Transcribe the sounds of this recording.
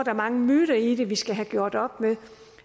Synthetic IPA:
d̥ɑ̈mɑ̈ŋəmyːɾ̥ɐid̥e̝ʋisɡ̥æɦæɡ̥jo̝ɐ̰d̥ɒ̽b̥meðˠ

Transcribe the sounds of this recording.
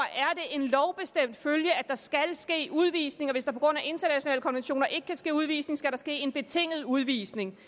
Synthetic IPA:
ʔæɐd̥e̝ʔe̝nlɒʊb̥e̝sd̥em̰d̥føljəæd̥ɑ̈sɡ̥ælsɡ̥e̝̰ːʔuð̞ˠʋḭsne̝ŋɒ̽ʋe̝sd̥ɑ̈pʰɒ̽ɡ̥ʁɔ̽n̰æʔe̝nd̥ɐnæɕo̝nɛ̰ːləkʰɒ̽nʋenɕo̝̰ːnɐʔe̝ɡ̥əkʰæsɡ̥e̝̰ːuð̞ˠʋḭːsne̝ŋsɡ̥æɾ̥ɑ̈sɡ̥e̝̰ːe̝nb̥e̝t͡sʰe̝ŋ̰ð̞̩ˠuð̞ˠʋḭːsne̝ŋ

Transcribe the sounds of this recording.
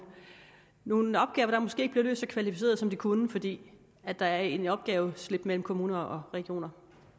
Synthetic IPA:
no̝ːnɒ̽b̥̚ɡ̥ɛːʊɐɾ̥ɑ̈mɔsɡ̥e̝ːeɡ̥ə̥bliɐlø̰ːsɒ̽kʰʋælifise̝̰ːɐðˠsɒ̽md̥ikʰunəfɒ̽d̥ḭː | æd̥ɑ̈æɐenɒ̽b̥ɡ̥ɛːʊsle̝b̥mel̰m̩kʰo̝muːnɐɒ̽ʁɛɡ̥io̝̰ːnɐ

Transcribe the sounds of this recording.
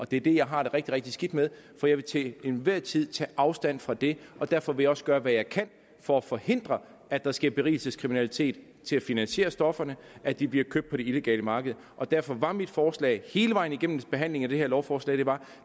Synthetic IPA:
ʔɒ̽d̥e̝æɐd̥e̝jɑ̈ɪɦɑ̈d̥e̝ʁeɡ̥̚d̥iʁeɡ̥̚d̥isɡ̥id̥meðˠ | fɒ̽jɑ̈ɪʋe̝t͡sʰeenʋæɐ̰t͡sʰið̞̰ˠt͡sʰɛ̰ːʔɑ̈ʊsd̥æn̰fʁɑ̈d̥e̝ʔɒ̽d̥æɐfɒ̽ʋe̝jɑ̈ɒ̽səɡ̥ɶːɐʋæjɑ̈ɪkʰæn̰ | fɒ̽ːfɒ̽he̝n̰d̥ʁɐ | æd̥ɑ̈sɡ̥eɐb̥e̝ʁḭːl̩səskʰʁiminælit͡sʰe̝̰ːd̥ | t͡sʰe̝læfinænsɕe̝̰ːɐsd̥ɒ̽fɐnəʔæd̥ib̥liɐkʰøb̥̚pʰɒ̽ɾ̥e̝ile̝ɡ̥ɛ̰ːləmɑ̈ːɡ̥əð̞̩ˠʔɒ̽d̥æɐ̰fɒ̽ʋɑ̈mid̥fɒːslɛ̰ɪhe̝ːləʋɑ̈ɪn̩iɡ̥em̰m̩b̥e̝ɦæn̰le̝ŋæɾ̥eheɐ̰lɒʊfɒːslɛ̰ːd̥e̝ʋɑ̈

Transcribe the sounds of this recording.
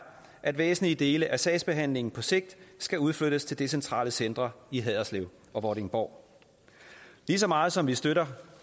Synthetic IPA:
ʔæd̥ʋḛːsn̩lid̥e̝ːləʔæsɛɪsb̥e̝ɦæn̰le̝ŋn̩pʰɒ̽se̝ɡ̥̚d̥sɡ̥æuð̞ˠfløɾ̥əst͡sʰe̝ld̥esent͡sʰʁɑ̰̈ːləsend̥ʁɐiɦɛðˠɐsleʊ̰ | ʔɒ̽ʋɒɾe̝ŋb̥ɒʊ̰ | lis̬ɒ̽mɑ̈ːð̞̩ˠsɒ̽mʋisd̥øɾɐ

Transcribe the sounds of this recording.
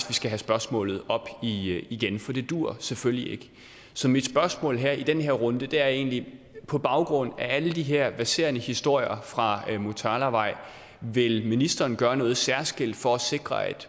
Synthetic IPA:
sʋisɡ̥æɦæsb̥ɶɐsmɔ̰ːlð̩ˠɒ̽b̥iiɡ̥enfɒ̽d̥e̝d̥uɐ̰seføljie̝ɡ̥ | sɒ̽mid̥sb̥ɶɐsmɔ̰̽ːlɦæɐ̰id̥enɦeɐʁɔ̽nd̥əd̥eæɐe̝̰ːnli | pʰɒ̽b̥ɑ̈ʊɡ̥ʁɔ̽n̰ææləd̥iɦeɐ̰ʋæɐse̝ːɐnəhisd̥o̝ɐ̰jɐfʁɑ̈mot͡sʰɑ̈ːlæʋɑ̈ɪ̰ | ʋe̝lminisd̥ɐːnɡ̥ɶːɐnɔ̽ːð̞̩ˠsæɐsɡ̥el̰d̥fɒ̽æse̝ɡ̥ʁɐæd̥

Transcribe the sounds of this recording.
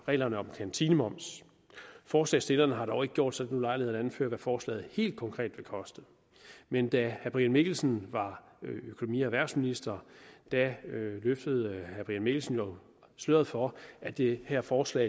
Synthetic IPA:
ʁɛ̰ːlɐnəɒ̽mkʰænt͡sʰinəmɒ̽m̰s | fɒːslɛ̰ɪsd̥e̝lɐnəɦɑ̈dɾ̥ɒʊe̝ɡ̥əɡ̥jo̝̰d̥sɒ̽dnulɑ̈ɪliheð̩ˠædænfø̰ːɐʋæfɒːslɛ̰ːð̩ˠhe̝̰ːld̥̚kʰɒ̽ŋkʰʁɛ̰ːd̥ʋelkʰɒ̽sd̥ð̩ˠ | mend̥æhæb̥ʁiænme̝ɡ̥l̩snʋɑ̈ | økʰo̝nomḭːæʋæɐ̰sminisd̥ɐd̥æløfd̥əð̩ˠhæb̥ʁiænme̝ɡ̥l̩sən̩jo̝ | sløɐðˠfɒæd̥ehæɐfɒːslɛ̰ɪ

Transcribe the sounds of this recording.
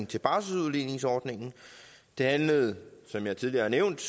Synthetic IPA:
ŋn̩t͡sʰe̝lb̥ɑ̈səuðˠline̝ŋsɒːd̥ne̝ŋn̩ | d̥e̝hænləð̞̩ˠsɒ̽mjɑ̈ɪt͡sʰið̞ˠliɐhɑneʊ̰nd̥

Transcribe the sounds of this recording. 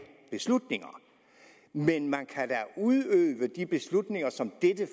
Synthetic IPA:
b̥e̝slud̥ne̝ŋɐ | menmænkʰæd̥æʔuðˠøːʋəd̥ib̥e̝slud̥ne̝ŋɐsɒ̽md̥ed̥ə

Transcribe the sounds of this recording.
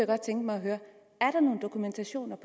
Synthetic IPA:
jɡ̥ɒ̽d̥̚t͡sʰeŋɡ̥mɑ̈ɪɒɦøːɐ | æɐɾ̥ɑ̈no̝ːn̩d̥okʰument͡sʰæɕo̝̰ːnɐpʰ

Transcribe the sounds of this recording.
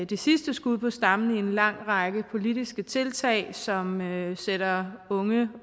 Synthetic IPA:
d̥esisd̥əsɡ̥uð̰ˠpʰɒ̽sd̥ɑ̈mn̩ie̝nlɑ̈ŋ̰ʁɑɡ̥əpʰo̝lidisɡ̥ət͡sʰe̝lt͡sʰɛ̰ɪ̰sɒ̽mseɾ̥ɐɔ̽ŋə

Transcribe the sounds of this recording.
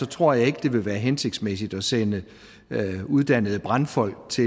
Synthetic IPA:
ɒ̽t͡sʰʁo̝ɐ̰jɑ̈ɪe̝ɡ̥əd̥e̝ʋe̝ʋæːɐɦense̝ɡ̥̚d̥smesid̥ɒ̽senə | uðˠd̥æn̰əðˠəb̥ʁɑ̈nfɒ̽l̰ɡ̥̚t͡sʰe̝

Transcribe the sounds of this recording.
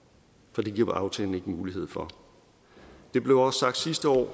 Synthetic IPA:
fɒd̥iɡ̥iɐ̰̥ʔɑ̈ʊt͡sʰɛ̰ːln̩e̝ɡ̥əmuːliɦe̝ð̞̰ˠfɒ̽ | d̥e̝b̥le̝ʊɒ̽ssɑ̈ɡ̥̚d̥sisd̥əɒ̰ː

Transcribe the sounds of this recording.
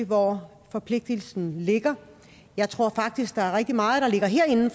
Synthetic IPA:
ʋɒ | fɒ̽pʰle̝ɡ̥̚d̥il̩sn̩le̝ɡ̥ɐ | jɑ̈ɪt͡sʰʁo̝ɐ̰fɑ̈ɡ̥̚d̥isɡ̥̚d̥ɑ̈æɐʁɛɡ̥̚d̥imɑ̈ːð̩ˠɾ̥ɑ̈le̝ɡ̥ɐɦeɐ̰e̝nn̩f

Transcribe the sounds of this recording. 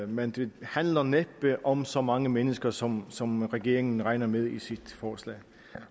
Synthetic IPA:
mend̥e̝hænlɐneb̥əʔɒ̽msɒ̽mɑ̈ŋəmenəsɡ̥ɐsɒ̽msɒ̽mʁɛɡ̥e̝̰ɐ̰eŋn̩ʁɑ̈ɪnɐmeðˠisid̥fɒːslɛ̰ː

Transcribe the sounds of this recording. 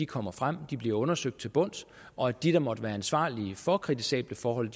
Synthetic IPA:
ikʰɒ̽m̰ɐfʁam̰d̥ib̥liɐɔ̽nɐsøɡ̥d̥t͡sʰe̝lb̥ɔ̽n̰s | ɒ̽æd̥iɾ̥ɐ̈mɒ̽d̥əʋæːɐænsʋɑ̰̈ːliəfɒ̽kʰʁit͡sʰi̥sɛ̰ːb̥ləfɒːɦɒ̽l̰d̥

